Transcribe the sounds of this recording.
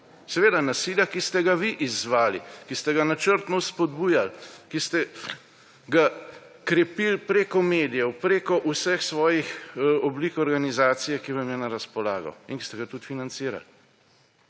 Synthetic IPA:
sɛʋeːd̪anasiljakist̪ɛɡaʋiʔizːʋaːlikist̪ɛɡanat͡ʃəɾt̪nɔwspɔd̪buːjalkist̪ɛ | ɡa | kɾɛpilpɾeːkɔmeːd̪ijɛwpɾeːkɔʔusɛxsʋɔːjixɔbliːkɔɾɡanizaːt̪sijɛkiʋamjɛnaɾaspɔlaːɡɔ̰iŋki̥st̪ɛɡat̪ut̪finant̪siːɾa̰l

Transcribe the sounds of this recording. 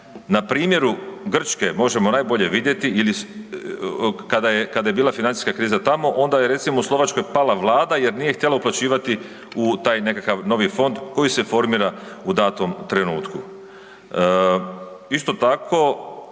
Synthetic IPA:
napɾiːmje̞ɾuɡr̩t͡ʃke̞mo̞ʒe̞mo̞naːjbo̞ʎe̞ʋid̪je̞t̪iili | kad̪ajekad̪aje̞biːlˠafinani̥skakɾiːzat̪amo̞ʔo̞nd̪ajeɾe̞t̪simouslˠo̞ʋat͡ʃko̞jpalaʋlˠaːd̪aje̞ɾnije̞xt̪jelauplˠat͡ɕiːʋat̪i | ut̪aːjne̞kakaʋno̞ʋifo̞nd̪ko̞jise̞fo̞ɾmiːɾaud̪aːt̪omt̪ɾe̞nuːt̪ku | ist̪o̞t̪akʰo̞

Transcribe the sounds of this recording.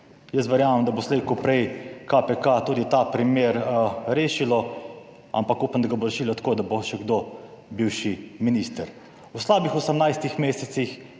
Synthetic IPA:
jəst̪ʋɛɾjaːmɛmd̪aboslekupɾɛjkapɛkat̪uːd̪it̪apɾimjeːɾɾeːʃilɔ | a̰mpakuːpamd̪aɡaboɾɛʃiːlɔt̪ḁkoːd̪aboʃɛɡd̪o | biwʃiminist̪əɾ | uslaːbixɔsəmnajst̪ixmeːsɛt̪six

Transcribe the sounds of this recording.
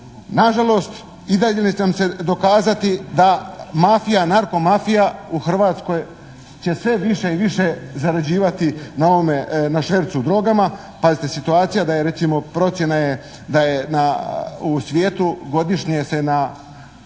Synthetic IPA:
naʒalo̞ːst̪ | id̪aʎenet͡ɕenamse̞d̪o̞kaːzat̪id̪amafijanaɾko̞mafijauxr̩ʋaːt̪sko̞j | t͡ɕe̞sʋe̞ʋiʃeiʋiʃezaɾad͡ʑiːʋat̪inao̞ʋomenaʃʋeɾt̪sud̪ɾo̞ɡama | pazit̪esit̪uaːt̪sijad̪ajeɾe̞t̪simo̞pɾo̞t̪sje̞naje̞ | d̪ajenausʋjeːt̪uɡo̞d̪iʃɲese̞na

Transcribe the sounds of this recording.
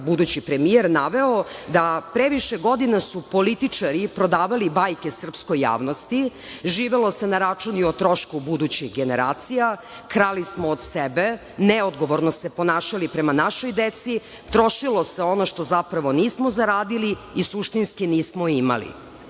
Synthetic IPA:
bud̪ut͡ɕipɾe̞mijeɾnaʋe̞od̪apɾeʋiʃeɡo̞d̪inasupo̞lit̪it͡ʂaɾipɾo̞d̪aːʋalibajkesr̩psko̞jːa̰ːʋnost̪i | ʒiːʋelˠose̞naɾat͡ʂuniot̪ɾo̞ʃkubud̪ut͡ɕixɡeneɾa̰ːt̪sija | kɾalismoːd̪sebe̞ | neod̪ɡo̞ʋoɾnosepo̞naːʃalipɾemanaʃojd̪et̪si | t̪ɾo̞ʃilo̞seo̞noʃt̪o̞zapɾaʋo̞niːsmozaɾaːd̪iliisuʃt̪inskiniːsmoima̰lḭ

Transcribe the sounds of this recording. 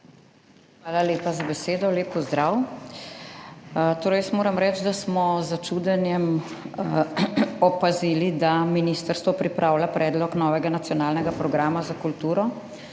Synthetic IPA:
xʋaːlaleːpazabɛseːd̪ɔleːpːɔzd̪ɾaːw | t̪oːɾəjəsmoːɾɐmɾɛt͡ʃd̪asmɔzat͡ʃud̪ɛnjɛm | ɔpaziːlid̪aminist̪əɾst̪ʋɔpɾipɾʔaːwlapɾɛːd̪lɔknɔːʋɛɡanat̪sjɔnaːlnɛɡapɾɔɡɾaːmazakult̪uːɾɔ

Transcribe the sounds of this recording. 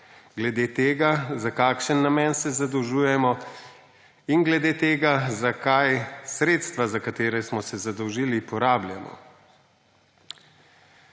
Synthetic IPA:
ɡlɛd̪eːt̪eːɡazakaːkʃənːamɛnsɛzad̪ɔwʒuːjɛmɔ | inɡlɛd̪eːt̪eːɡazakajsɾeːt̪st̪ʋazakat̪eːɾɛsmɔsɛzad̪ɔwʒiːlipɔɾaːblja̰mɔ̰

